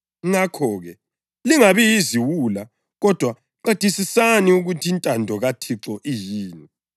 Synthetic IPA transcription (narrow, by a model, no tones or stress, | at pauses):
ŋakʰɔːɣɛ | liŋaβijiziwula | ɣɔd̥ʱwa | ǃetisisaniuɣutʰiːntʼandʱɔɣatʰiǁɔʔijiːni